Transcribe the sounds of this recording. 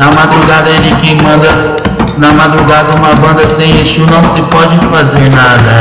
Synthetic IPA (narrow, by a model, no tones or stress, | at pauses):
ɐmad̪ɾuɡad̪ɐelɪkemɐ̃d̪ɐ | nɐmad̪ɾuɡad̪ɐũmɐbɐ̃nd̪ɐsẽj̃eʃunɐ̃w̃sɪpɔd͡ʒɪfazeɾnad̪ɐ